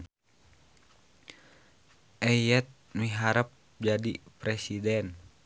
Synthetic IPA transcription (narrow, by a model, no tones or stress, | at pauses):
ʔɛjɛt̪̚miɦaɾəp̚ | d͡ʒadipɾɛsidɛn